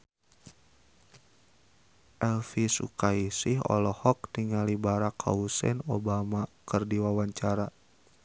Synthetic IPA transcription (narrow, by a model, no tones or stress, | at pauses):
ʔɛlfisṵkaisiɦɔ̰lɔhɔk̚tiŋalibaɾakʰa̰usɛ̰nobamakɨrdiwawaɲt͡ʃaɾa